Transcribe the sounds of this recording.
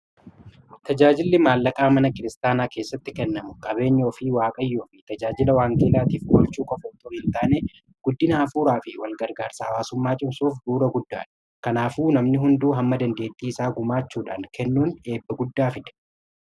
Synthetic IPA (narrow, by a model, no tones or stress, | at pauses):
t̪ɐd͡ʒaːd͡ʒɪlːɪmaːlːɐkʼaːmɐnɐkɪɾɪst̪aːnaːke̞ːsːɐt̪ːɪkɛnːɐmʊkʼɐbe̞ːɲːo̞ːfɪwaːkʼɐjːoːfɪt̪ɐd͡ʒaːd͡ʒɪlɐwaːŋkʼeːlaːt̪iːfwɔlt͡ʃːuːkʼɔfot̪ʼɔhɪnt̪aːneː | ɡ̥ʊd̪ːɪnɐʔɐfuːɾaːfɪwɐlɡɐɾɡaːɾsaɐwaːsʊmːaːt͡ʃʼɪbsuːfd̪uːɾɐɡʊd̪ːa̰ːᶑɐ̥ | kɐnaːfuːnɐmnɪɦʊnd̪uːɦɐmːɐd̪ɐnd̪eːt̪ʼːiːɪsaːɡʊmaːt͡ʃːuːᶑa̰ːnkɛnːuːne̞ːbːɐɡʊd̪ːaːfɪᶑ̪ɐ̥